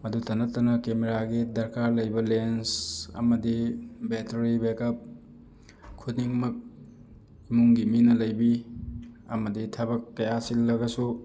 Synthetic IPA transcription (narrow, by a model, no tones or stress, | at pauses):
mɐdutʰɐnɐtːɐnɐkemeɾaɡidɐɾkaɾlɐjbɐlensɐ̰mɐdibetɐɾibekɐp̚ | kʰutniŋmɐk̚ | imuŋɡiminɐlɐjbi | ɐmɐditʰɐbɐkːɐjasilːɐɡɐsu